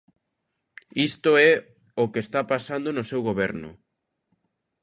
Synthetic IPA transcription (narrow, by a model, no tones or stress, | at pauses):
ist̪oɛ | okeːst̪apasand̪onosewɣoβɛɾnʊ̰